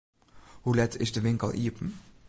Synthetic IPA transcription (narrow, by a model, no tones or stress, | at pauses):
hulɛtɪʃdəvɪŋkəlʔiːəpm̩